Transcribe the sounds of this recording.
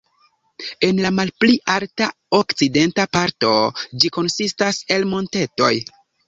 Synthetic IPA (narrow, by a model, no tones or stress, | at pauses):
e̞nlamalpliʔalta | okt͡side̞ntapaɾto̞d͡ʒiko̞nsistase̞lmo̞nte̞to̞̰j